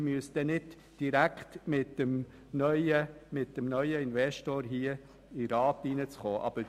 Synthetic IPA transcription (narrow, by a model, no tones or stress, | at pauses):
myəsd̥̪ɛnɪd | d̥iɾækχt̪mɪtːəm | nœʏəmɪtːəmnœʏəɪnvɛʃtoːɾɦiə | ɪɾɑːtinət͡sχoːʔɑ̰b̥ə